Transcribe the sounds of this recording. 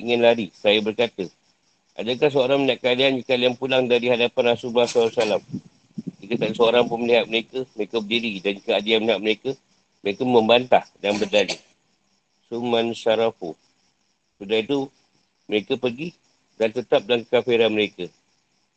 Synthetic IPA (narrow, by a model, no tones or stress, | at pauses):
iŋɪnlaɾisajəbərkat̪ə | ʔa̰dəkahs̬əoɾaŋmənaʔ̚kəadaand͡ʒikaliaŋpulaŋdaɾihadapanasumasɾsalam | d͡ʒikət̪asəoɾaŋpunməliɦat̪̚məɾekəməɾekəbədididankəadianməliɦat̪̚məɾekə | məɾekəmə̃mbant̪ahdanbərdali | sumãnsaɾafu | sudahit̪u | məɾekəpərɡi | dant̪ət̪ap̚dankafeɾaməɾekə